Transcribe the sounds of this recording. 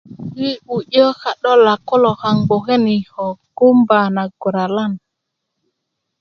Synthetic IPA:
wi˦u˨jə˦xa˨ɗo˦la˨ko˦lo˨xa˨ŋɡ͡bo˨xe˦ni˨ho˨ɡu˦mba˨na˨ɡu˨ɾa˨la˦˨n

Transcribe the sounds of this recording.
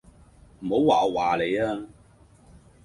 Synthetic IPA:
m̩˨˩ho˨˥wwaː˨ɔ˧waː˨˩le˨˧jaː˧

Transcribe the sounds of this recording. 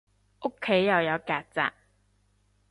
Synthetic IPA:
ʔo˥kʰːe˨˥jːɐ˨wjɐ˨˧wkaː˧k̚t͡sa̰ː˧˨k̚

